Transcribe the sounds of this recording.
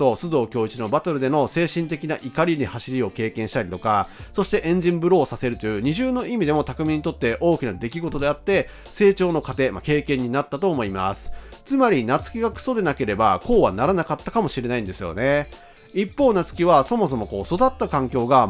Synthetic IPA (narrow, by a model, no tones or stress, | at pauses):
o̞sɨd̪o̞ːkʲo̞ːit͡ɕino̞bat̪oɾɯ̟d̪e̞no̞se̞ːɕĩnt̪e̞kʲinaʔikaɾʲiɲ̟ihaɕiɾʲio̞ke̞ːkẽ̞ɰ̃ɕi̥t̪aɾʲit̪o̞kaso̞ɕi̥t̪e̞ʔẽ̞ɲ̟d͡ʑĩmbɯ̟ɾo̞ːsase̞ɾɯ̟t̪o̞jɯ̟ːɲ̟iʑɨːno̞ʔimʲid̪e̞mo̞t̪akɯ̟mʲĩɲ̟ːit̪o̞t̪ːe̞ʔo̞ːkʲinad̪e̞kʲiɡo̞t̪o̞d̪e̞at̪ːe̞ | se̞ːt͡ɕo̞ːno̞kat̪e̞make̞ːkẽ̞ɲ̟ːinat̪ːat̪o̞ːmo̞ima̰sɨ̥t͡sɨmaɾʲinat͡sɨ̥kʲiɡakɯ̟̥so̞d̪e̞nake̞ɾe̞bako̞ːβanaɾanakat̪ːakamo̞ɕiɾe̞naĩnd̪e̞sɨjo̞̰ne̞ | ipːo̞ːnat͡sɨ̥kʲiβaso̞mo̞s̬o̞mo̞ko̞ːso̞d̪at̪ːakãŋkʲo̞ːɡa